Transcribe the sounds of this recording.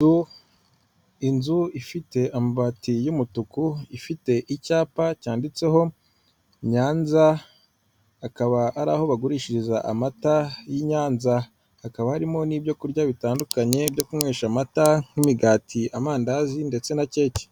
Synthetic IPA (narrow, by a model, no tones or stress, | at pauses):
u | inzuifite̞ʔamabaːtijumutukuifite̞ʔicaːpacaːndit͡se̞ɦo̞ | ɲaːnza | akaβaʔaɾa̰ːho̞βaɡuɾiːʃiɾizaʔamatajiɲaːnza | hakaβahaɾimo̞niːbɟo̞kuɾɟaβitaːndukaɲe̞bjo̞kumŋwe̞ːʃamataŋ̥himiɡaːtʰiamaːndazinde̞t͡se̞nace̞ːce̥